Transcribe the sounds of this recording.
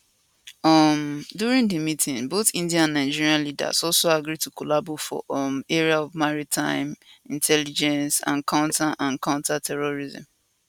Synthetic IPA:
ʌmduɹĩŋdimitʰĩŋboθĩndiãnnãɪ̃nd͡ʒiɹiãnlida̰sɔlsoaɡɾitukulabofɔ̰meɹiaɔvmaɹitʰãɪ̃mĩntʰɛlid͡ʒɛ̃nsã̰nkʰãʊ̃ntʰaʔãnkãʊ̃ntatʰɛɹoɹizɪ̰̃m

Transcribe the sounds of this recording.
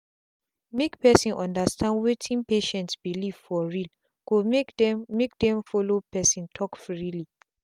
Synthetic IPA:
mekpɛsĩnʔɔ̃ndastãndwetʰĩnpeʃɛ̃ntsbiliv̥fɔɹil | ko | mek̚dɛ̃mfɔlopɛsĩntʰɔkfɹili

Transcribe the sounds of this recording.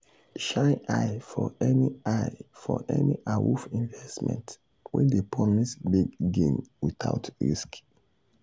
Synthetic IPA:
ʃaʔaɪfɔɛniaɪfɔʔɛniʔawṵfĩnvɛstmɛ̰̃nt | wɛ̰̃ndepɹɔmisbiɡ̚ɡẽnwitaʊtɹḭsk

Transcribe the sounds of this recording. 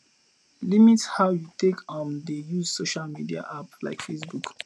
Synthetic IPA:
limithawjutekʰɔ̃ndəjuzsoʃalmidia̰ʔapla̰ɪkfesbuk

